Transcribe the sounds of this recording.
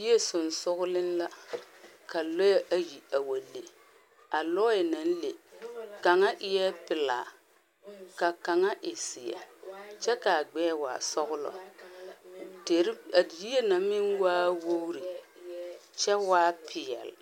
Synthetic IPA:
je˦sʊ˨n˨sʊ˦ɣʊ˦lɪ˦nla˦ | ka˨lɔ˦jɛ˦ʔa˨ji˨a˨wa˨le˨ | a˨lɔ˦jɪ˨na˨n˦le˨ka˨ŋa˦ʔɪ˦jɛ˦pɪ˨la̰ː˨ | ka˨ka˨ŋa˦ʔɪ˨sɪ˨ɛ̰˨t͡ʃɛ˦ka˨ɡ͡bɛː˦wa̰ː˨sɔ˦ɣʊ˦lɔ̰˨ | te˨ɾji˦e˦na˨mɪ˦nwaː˦wo˦ɾi˨ | t͡ʃɛ˦waː˦pʰɪ˨ɛ̰˨l

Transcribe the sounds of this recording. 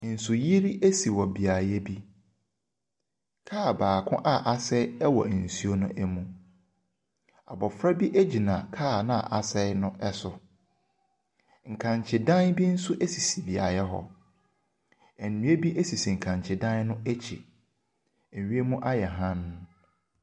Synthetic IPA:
n̩˨sʊ˨ji˦ɾi˦ʔe˦si˨wɔ˨bi˨a˨jɛ˦bi˦ | kʰaː˦˨baː˨kʰʊ̰̃˦ʔa˦ʔa˨sɛ˦ɛ˦wɔ̰˨n̩˨su˦o˦nʊ̃˦ʔɛ˦mũ˦˨ | a̰˨bɔ˨fɾa˦bi˦ʔe˦d͡ʑi˨nã˨kʰaː˦˨nã˦a̰˨ʔa˨sɛ˦nʊ̃˦ʔɛ˦sʊ˨ | ŋ̩˨kʰã˨ɲ˨t͡ɕʰɪ˨dã˦nbi˦n̩˦sʊ˦ʔe˦si˨si˨bi˨a̰˨jɛ˦ɦɔ̰˦ | ɛ˨nː˨ũ˦e˦bi˦ʔe˦si˨si˨ŋ̩˨kʰã˨ɲt͡ɕʰɪ˨dã˦nnʊ̃˦ɛ˦t͡ɕʰḭ˨ | ɥi˦e˦mũ˦ʔa˦jɛ˨ɦã˦n˦

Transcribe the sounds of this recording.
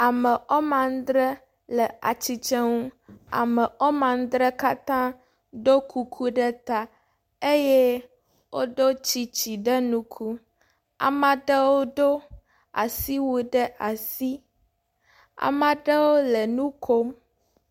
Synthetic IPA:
a˨mɛ˨ʔɔ˦mã˨n˦d̪ɾɛ˦ | lɛ˨a˨t͡ɕi˦t͡ʃɛ˦ŋũ˦a̰˨mɛ˨ʔɔ˦mã˨n˦d̪ɾɛ˦ka˦t̪ã˦ | ɖo˦kʰu˦kʰu˦ɖɛ˦t̪a˦ | e˦je˦ | wʔo˦ɖo˦t͡ɕi˦t͡ɕi˨ɖɛ˦nũ˦kʰu˦ | a̰˨mã˨ɖə˦wo˦ɖo˦ | a̰˨si˦wu˨ɖɛ˦a˨si˦ | a̰˨mã˨ɖə˦wo˦lɛ˨nũ˦kʰo˦m

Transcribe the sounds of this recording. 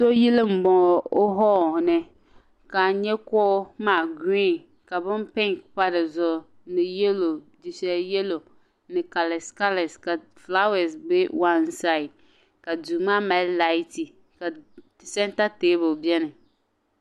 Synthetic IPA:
so˦ji˦le˦m̩˨bɔ̃˨o˦ɦɔ˦˨nɛ˨ | ka˨ɲɛ˦kɔ˦mã˨ɡi˦˨n | ka˨bʊ˦m˦pɛ̃˦ŋkpa˦dɪ˨zɔ˨ | nɪ˨je˦lo˨ | d͡ʒi˨sɛ˨je˦lo˨ | nɪ˨ka˨lɛ˨ska˦lɛ˨ska˨ | fla˦wɛ˨sbe˦wa˦nsa˦ɪ˨d | ka˨du˨mã˦mɛ˨˦lla˦i˦ti˨ | ka˨ | sɛ̃˦n˦ta˦te˦bʊ˨bi˦ɛ˦nɪ̃˨

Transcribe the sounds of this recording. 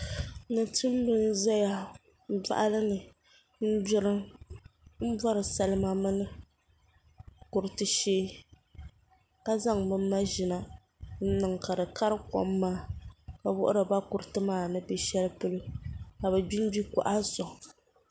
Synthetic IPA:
nɨ˨tʰɨ˦m˦bɨ˦n˦za˦ja˦ | n̩˦da̰˦ʔa˦lɨ˦nɨ˨ | n̩˦d͡ʒʊ˦ɾɨ˦ | m̩˦ba˦ɾɨ˨sa˨˦lɨ˦ma˨mɨ˦nɨ˦ | kʊ˨ɾɨ˦tɨ˦ʃeː˦ | ka˦za˦ŋbɨ˦mː˦a˦ʒɪ˨na˨ | n̩˦nɨ˨ŋka˨dɨ˨ka˦ɾɨ˦kɔ̰˦mː˦aː˦ka˨wʊ̰˦ʔʊ̰˦ɾɨ˨ba˦kʊ˨ɾɨ˦˨tɨ˦maː˦˨nɨ˦bɛ˦ʃɛ˦lpɨ˦lɨ˦ka˨bɛ˨bi˦n˦bi˦kʊ̰˨ʔa˦zɔ˨

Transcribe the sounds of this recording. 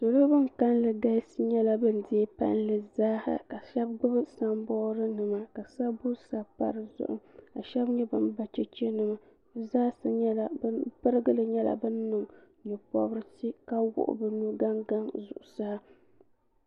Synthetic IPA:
to˨lo˦bɨ˦ŋka˦nlɨ˨da˦ɪ˦si˦ɲɛ˦la˦bɨ˦ndɪ˦pa̰˦nlɨ˨zaː˦ha̰˨ka˨ʃɛ˦b̚ɡ͡bɨ˦bɨ˦sa˦mbɔː˦ɾɨ˦nɨ˨ma˨ka˨sa˦bʊ˦sa˦pa̰˦ɾɨ˨zʊ̰˦ʔʊ̰˦ma˨ʃɛ˦bɲɛ˦bɨ˦nba˨t͡ʃɛ˦t͡ʃɛ˦nɨ˨ma˨˦ | zaː˦sɨ˨ɲɛ˦la˨bpɨ˦ɾɨ˦ɡɨ˦lɨ˨ɲɛ˦la̰˨bɨ˦nːɨ˨ŋ | ɲʊ˨pɔ̰˦bɾɨ˦ti˦ka˦wʊ̰˦ʔʊ̰˦bɨ˦nu˦ɡa˦ŋɡa˦ŋzʊ̰˨ʔʊ˨sa˦

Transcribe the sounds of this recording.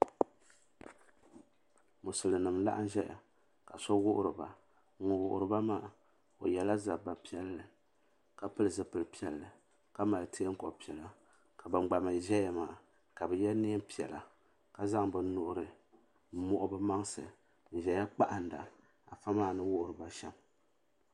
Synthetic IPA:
mu˨sɨ˨lɨ˨nɨ˨mla̰˦ʔn̩˦ʒɛ˦ja̰˨ | ka˨sɔ˦wʊ˦ʔʊ̰˦ɾɨ˨ba̰˨˦ | o˨wʊ˨ʔʊ̰˨ɾɨ˨ba˦maː˦˨ | o̰˨jɛ˨la˦za˨bba˨pi˦ɛ˦lːɨ˨ | ka˦pɨ˦lɨ˨zɨ˨pɨ˨lpi˦ɛ˨lːɨ˨ | ka˦ma˨ltʰe˦ŋ̩˦kɔ˨pi˨ɛ˨la˨ | ka˨bɨ˨ɡ͡ba˨ma˨ʒɛ˦ja˦maː˨ | ka˨bɨ˨jɛ˦ni˦m˦pi˨ɛ̰˨la̰˨ | ka˨za˦ŋbɨ˨˦nʊ˨ʔʊ˦ɾɨ˨˦ | mɔ˦ʔʊ˦bɨ˦ma˦ŋsɨ̰˨ | n̩˨ʒɛ˨ja˦k͡pa˦ʔa˨n˨da̰˨ | a˨fa˦maː˦˨nɨ˦wʊ˦ʔʊ˦˨ɾɨ˨ba˦ʃɛ˦m

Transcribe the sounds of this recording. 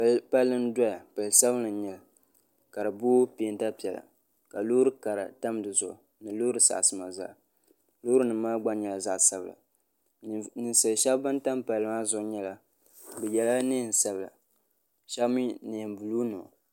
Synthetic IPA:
ppa˦lːɨ˦n˦dɔ˦ja˨pa˨lsa˦bɨ˦nɨ˨ɲɛ˨l | ka˨ɾɨ˨bʊː˦pi˦˨˦n˦ta˦pi˨ɛ˨la̰˨ | ka˨lo˦ɾɨ˦ka˨ɾa̰˨ta˦mdɨ˨zʊ˨ʔʊ̰˨ | nɨ˨loː˦ɾɨ˨sa̰˨sɨ˦ma˨za̰˦˨ | lo˦ɾɨ˦nɨ˨˦maː˦ɡ͡ba˦ɲɛ˨la˨za˨ʔsa˦˨bla̰˨ | nɨ˨nsɨ˨ʃɛ˦bbɨ˦nta˦mpa˨lːɨ˨ma˦zʊ˦˨˦ɲɛ˦la˨ | bɨ˨jɛ˨la˦nɨ˦˨n̩˨sa˦bla̰˨ | ʃa˦bmi˦nɨ˨mbu˨lu˦no̰˨

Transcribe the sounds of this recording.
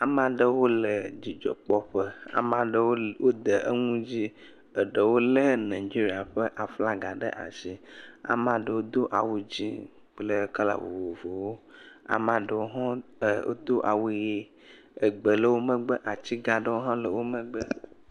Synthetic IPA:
a˨m˦ã˦ɖə˦wo˦lə˨d͡ʒi˨d͡ʒɔ̰˨k͡pɔ˦ɸə˦a̰˨mã˦ɖə˦wo˦wo˦d̪ə˨ʔə˦ŋũ˦d͡ʑi˦ | ə˨ɖə˨wo˦lə˦nã˨d͡ʒi˦ɾi˦a˨ɸə˦ʔa˨fla˦ɡa˨ɖə̰˦ʔa̰˨ʃi˦a̰˨m˦ã˦˨ɖə˨wo˦d̪o˦ʔa̰˨wu˦d͡ʑi˦ | k͡plə˦ka˦la̰˨wo̰˨vo˨vo˨wo˦a̰˨mã˨ɖə˨wo˦ɦɔ̃˦˨o̰˦d̪o˦ʔa˨wu˦je˦ | ə˨ɡ͡bə˨lə˦wo˦mə̃˦ɡ͡bə˦ʔa˨t͡ɕi˦ɡa˨ɖə˦wo˦ɦɔ̃˦lə˨wo˦mə̃˦ɡ͡bə˦

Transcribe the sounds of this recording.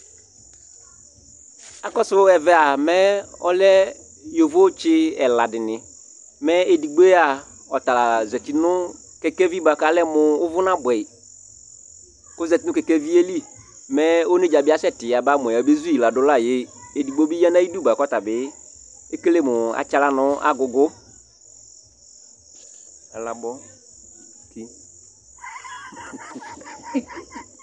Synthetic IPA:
a˨kɔ˦sʊ˦ɛ˨vɛ˦a˨mɛ˦ɔ̰˦lɛ˦ | jo˨vo˦t͡ʃɪ˦ɛ˨la˨dɪ˨nɪ˨ | mɛ˦e˨di˨ɡ͡be˦a˨ | ɔ˨ta˨la˨zɛ˨tɪ˨nʊ˦ | kɛ˨kɛ˦vi˦ba˨ka˨˦lɛ˦mʊ˨ʊ˦vʊ˦nã˦bʊ˨ɛ˨ | ko˦zɛ˨ti˦nʊ˦kɛ˨kɛ˦vi˦e˦li˦ | mɛ˦o˦ne˦d͡ʒa˨bɪ˦a˦sɛ˦tɪ˨a˨ba˦m˨ɔ̃˨a˨be˦zu˦ji˨la˨dʊ˨˦la˦˨jɪ˦e˨di˨ɡ͡bo˦bi˦ja˦nã˦i˦du˦ba˨kɔ˦ta˨bɪ˦ | e˦ke˦le˦˨mʊ˨a̰˨t͡ʃa˦la˦nʊ˦a̰˦ɡʊ˨ɡʊ˦ | ɛ˨la˨bɔ˦˨ | ki˦

